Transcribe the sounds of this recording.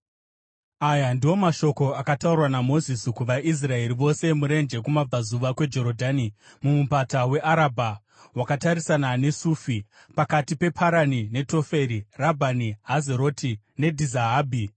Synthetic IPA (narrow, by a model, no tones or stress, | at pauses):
ajandiwo̞maʃo̞ko̞akataurwanamo̞ziskuʋaʔis̬rae̞ɾiʋo̞se̞muɾe̞nd͡ʒe̞kumab͡vazuʋakwe̞d͡ʒo̞ɾodʱaːni | mumupatawe̞ʔaɾabʱa | wakataɾisanane̞suːfi | pakatipe̞pʰaɾanine̞to̞fe̞ɾirabʱaniɦazeɾo̞ti | ne̞dʱizaɦaːbʱi